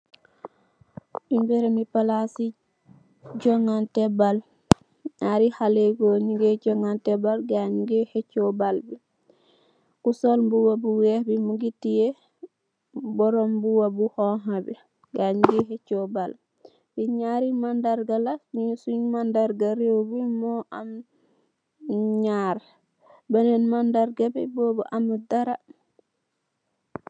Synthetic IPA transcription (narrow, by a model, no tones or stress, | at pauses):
ʔimbɛɾɛmipalasi | d͡ʒɔŋantɛbal | ɲaɾihalɛɡɔɲiɡɛd͡ʒɔŋantɛbalɡaɲuɡɛhɛt͡ʃːɔbalbɛ | kusɔlbuwabuwɛhbimuɡitːijɛ | bɔɾɔmbuwabuhɔɦabɛ̰ | ɡaɲuɡɛɦɛt͡ʃːɔbal | biɲaɾimandaɾɡalafnisuɲmandaɾɡaɾewbimɔʔam | ɲaɾ | banɛnmandaɾɡabɛ̰bɔːbɔʔamudaɾa